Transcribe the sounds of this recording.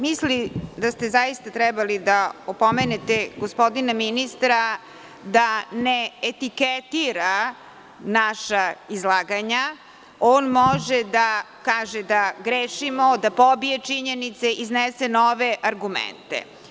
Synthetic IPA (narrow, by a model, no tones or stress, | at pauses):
mislid̪ast̪ezajist̪at̪ɾɛbalid̪aopomenet̪eɡospo̞d̪inaminist̪ɾa | d̪aneːt̪iket̪iɾa | naʃaizlaːɡaɲa | oːnmoʒed̪a | kaːʒed̪aɡɾeːʃimod̪apobijet͡ʂiɲenit̪seʔiznesenoʋeʔaɾɡumḛnt̪ḛ